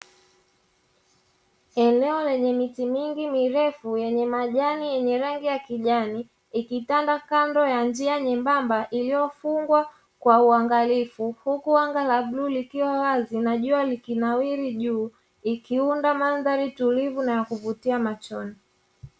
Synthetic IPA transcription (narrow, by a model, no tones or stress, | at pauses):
ɛnɛɔlɛɲɛmitimiŋɡimiɾɛfujɛɲɛmaʄanijɛɲɛɾaŋɡijakiʄani | ikitandakandɔjand͡ʒiaɲɛmbambaʔilijɔfuŋɡwa | kwauaŋɡalifuhukuaŋɡalaɓlulikiwawazinaʄualikinawiɾiʄuː | ikiundamanðaɾitulivunajakuvutiamat͡ʃɔni